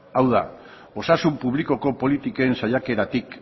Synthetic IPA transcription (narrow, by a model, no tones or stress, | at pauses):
awða̰ | o̞sasumpuβliko̞ko̞po̞lit̪ikoensaʎake̞ɾat̪ik